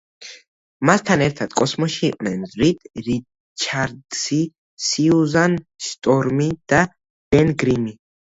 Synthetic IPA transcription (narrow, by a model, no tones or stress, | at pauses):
mast̪ʰanɛɾt̪ʰad̪̥kʼɔsmɔʃiːqʼnɛnzɾid̪̥ɾi | t͡ʃʰaɾd̪si | siuzanst̪ʼɔɾmid̪̥a | b̥ɛnɡɾimi